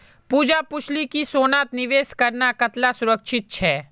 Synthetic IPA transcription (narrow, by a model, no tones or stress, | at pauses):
puːd͡ʒapʊt͡ʃʰlikisoːnaːt̪nɪʋeːskɐɾnakɐt̪lasʊɾəkʃʰɪt̪̚t͡ʃʰɛː